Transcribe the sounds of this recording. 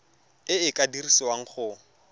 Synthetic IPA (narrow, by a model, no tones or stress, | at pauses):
ɪɪkʼadirisɔwaŋ̩χʊ